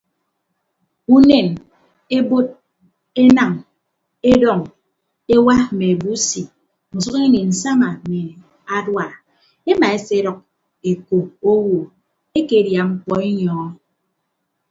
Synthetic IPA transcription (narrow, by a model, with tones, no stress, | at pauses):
u˦ne˨n | e˦bo˦t̚ | e˦na˨ŋ | e˦dɔ˦˨ŋ | e˦wa˦me˨e˨bu˦si˨ | n̩˨su˦ke˦ni˨n̩˨sa˦ma˨me˨ | a˦dwa˨ | e˦ma˨e˦se˦ɾɔ˨k̚ | e˨ko˨o˦wo˨ | e˦ke˨˦˨dja˨ŋ͡m̩˦kɔ˦i˦ɲɔː˨˦